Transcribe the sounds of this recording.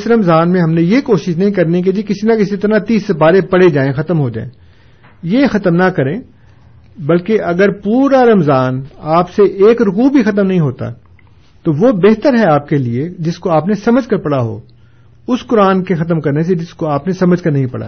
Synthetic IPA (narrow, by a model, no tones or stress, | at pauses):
sɾɐmzaːnmẽɦɐmnẽjekoːʃɪʃnɐɦĩkɐɾnik̬ed͡ʒikɪsinakɪsit̪ɾat̪iːsɐpaːɾepɐɽ̤ed͡ʒaːẽxɐt̪əmɦod͡ʒa̰ːḛ̃ː | jexɐt̪əmnɐkɐɾẽː | bɐlkeʔɐɡəɾpuːɾaɾɐmzaːnaːpseʔeːkɾʊkuːbʱixɐt̪̬əmnɐɦĩɦoːt̪a̰ | t̪oʋobeɦt̪əɾɦɛaːp̚kelied͡ʒɪskoaːpnesɐməd͡ʒʱkɐɾpɐɽaɦo̰ː | ʊskʊɾaːnkexɐt̪əmkɐɾnes̬ed͡ʒɪskoaːpnesɐməd͡ʒʱkɐɾnɐɦĩpɐ̰ɽa̰